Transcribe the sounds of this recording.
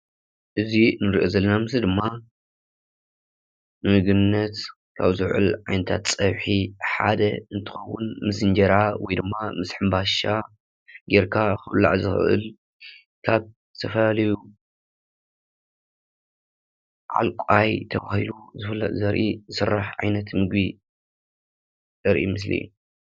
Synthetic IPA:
ʔɨzinɨɾiʔozɐlːɐnamɨsɨd̪ɨmːa | mɨɡɨnːɐt̪ | kʰa̰βzɨʕɨ̰lʕajnɐt̪ʰa̰t̪sʼɐβħiħa̰d̪ɐɨnt̪ʰɨ̥xɐwːʊnmɨsɨnd͡ʒɐɾawɔjd̪ɨmːamɨsħɨmbaʃa | ɡeɾkʰaxɨβla̰ʕzɨxʔɨ̰l | kʰaβ | t̪ʰɐfɐlalɐju | ʕa̰lkʷʼajt̪ʰɐβahiluzɨfɨlːɐ̰zɐɾʔiɨsɨrːaħʕa̰jnɐt̪mɨɡbi | zɐɾʔimɨs̬lḭjṵ

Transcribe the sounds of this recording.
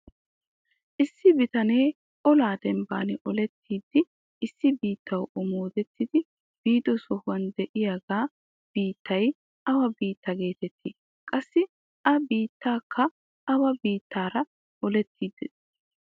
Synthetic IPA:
ʔɪsːɪbɪt̪ɐne̞ː | ʔɔlaːd̪ɛmba̰ːnɪʔɔlɛt̪ːiːd̪ːɪ | ʔɪsːɪbiːt̪ːɐwʔɔmoːd̪ɛt̪ːɪd̪ɪ | b̥iːd̪ɔsɔhʊwɐnd̪ɛʔɪjaɡaː | b̥iːt̪ʰːɐj | ʔɐwɐbiːt̪ːɐɡe̞ːt̪ɛt̪ʰːiː | kʼɐsːɪ | ʔɐbiːt̪ːaːkʰːɐ | ɐwɐbiːt̪ːaːɾɐ | ʔɔlɛt̪ʰːiːd̪ːɛ

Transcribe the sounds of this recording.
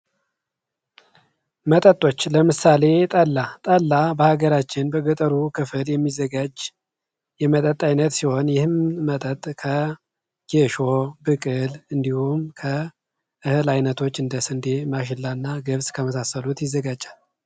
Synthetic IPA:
mət̪ʼət̪ʼo̞t͡ʃːləmɨsale̞t̪ʼəlːat̪ʼəlːabəhaɡəɾat͡ʃːɪnbəɡət̪ʼəɾukʰɨfɨljɛmːizəɡad͡ʒ | jɛmət̪ʼət̪ʼajnət̪siho̞njɪhɨmmət̪ʼət̪ʼkʰə | ɡ̥eʃo̞bɨkʼɨlɨnd̪ihumkʰə | ʔɨhɨlajnət̪ʰo̞t͡ʃːɨnd̪əsɨnd̪emaʃ̬ɨlːanːaɡəβskʰəməsasːəlut̪jɪzːəɡad͡ʒʼal

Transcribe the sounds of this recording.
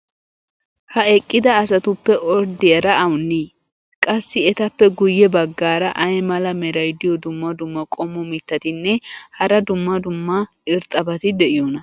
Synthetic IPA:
hɐɛkʼːɪd̪ɐːsɐt̪ʊpːɛʔɔɾd̪ɪjɐɾɐʔɐwnːi | kʼɐsːɪɛt̪ɐpːɛɡʊjːɛbɐɡːaːɾɐʔɐjmɐlɐmɛɾɐjd̪ɪjɔd̪ʊmːɐd̪ʊmːɐkʼɔmːɔmɪt̪ːɐt̪ɪnːɛhɐɾɐd̪ʊmːɐd̪ʊmːɐ | ɪɾt̪ʼːɐbɐt̪ɪd̪ɛʔɪjɔnɐ

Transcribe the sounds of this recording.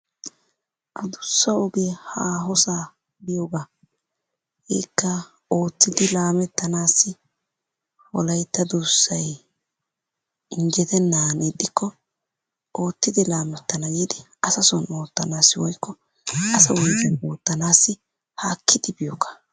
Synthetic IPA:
ʔɐd̪ʊsːɐɔɡeːhaːɦɔsaː | bɪjoːɡaː | hɛːkːɐ | o̞ːt̪ːɪd̪ɪlaːmɛt̪ːɐnaːsːɪ | wɔ̰lɐjt̪ːɐd̪ʊsːɐj | ɪŋɡɛt̪ɛnːaːnid̪ʼːɪkːɔ | ʔo̞ːt̪ːɪd̪ɪlaːmɛt̪ːɐnɐɡiːd̪ɪ | ɐsɐsɔno̞ːt̪ːɐnaːsːɪwɔjkːɔ | ʔɐsɐwɔjzɛno̞ːt̪ːɐnaːsːɪ | haːkʰːɪd̪ɪbɪjokːɐ̥

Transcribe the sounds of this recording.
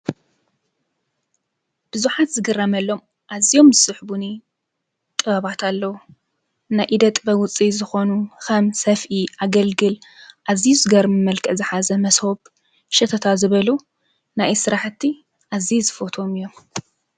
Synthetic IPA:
b̥ɨzuħat̪zɨɡɨramɐlːo̞m | ʔazijo̞mzɨsɨħbuni | t̪ʼɨβaβat̪ʰalːɐwu | najʔid̪ɐt̪ʼbɐwʊt͡sʼizɨxo̞nuxɐmsɐfʔiʔaɡɐlɡɨlʔazijuzɨɡɐɾmɨmɐlkʰɐzɨħazɐmɐshoβ | ʃɐt̪ʰɐt̪ʰazɨβɐlu | najsɨɾaħt̪ʰːi | ʔazizɨfot̪ʰo̞mɨjːo̞m

